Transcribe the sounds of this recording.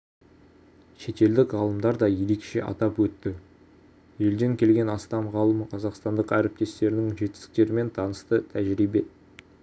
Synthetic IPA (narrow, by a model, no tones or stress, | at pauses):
ʃe̞t̪e̞ld̪ɪkʁɑlˠəmd̪ɑɾd̪ɑjeɾekʃḛʔɑ̰t̪ɑpwɵt̪ːɪ | je̞ld̪e̞ŋkʲʰe̞lɡʲe̞nɑst̪ɑmʁɑlˠəmqʰɑzɑqst̪ɑnd̪əqæɾɪp̚t̪e̞st̪e̞ɾɪnɪŋʒe̞t̪ɪsɪ̥k̚t̪e̞ɾɪme̞nt̪ʰɑnəst̪ət̪ʰæʒɾibe̞